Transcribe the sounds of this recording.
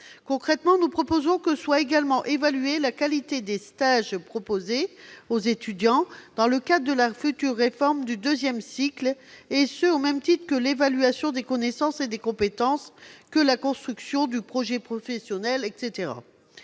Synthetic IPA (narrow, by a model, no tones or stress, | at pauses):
kɔ̃kχɛt̪mɑ̃nupχɔpozɔ̃kəswaeɡalmɑ̃ʔevalyelakalit̪ed̪est̪aʒpχɔpozeozet̪yd̪jɑ̃d̪̥ɑ̃ləkad̪ʁd̪əlafyt̪yʁːefɔʁmd̪yd̪øzjɛmsiklesəomɛmt̪it̪χəkəlevalyasjɔ̃d̪ekɔnesɑ̃sed̪ekɔ̃pet̪ɑ̃skəlakɔ̃st̪χyksjɔ̃d̪ypχɔʒɛpχɔfɛsjɔnɛlɛk̪set̪eʁa̰